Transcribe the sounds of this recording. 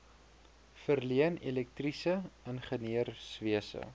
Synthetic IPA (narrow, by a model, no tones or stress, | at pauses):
fərliənelɛk̚trisəənχəniərsviəsə̰